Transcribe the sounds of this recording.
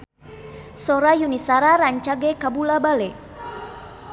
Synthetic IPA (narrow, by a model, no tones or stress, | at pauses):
sɔɾajunisaɾaɾaɲt͡ʃaɡɛkabulabalɛ